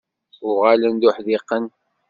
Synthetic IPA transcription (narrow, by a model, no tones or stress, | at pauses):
ʊʁalənd̪uħðiqːən